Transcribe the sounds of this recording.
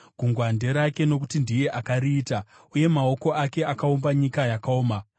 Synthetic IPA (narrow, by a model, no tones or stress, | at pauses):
ɡ̥uŋɡwande̞ɾake̞no̞kutindije̞ʔakariːta | uje̞mao̞ko̞ʔake̞akaumbaɲikajakaoːma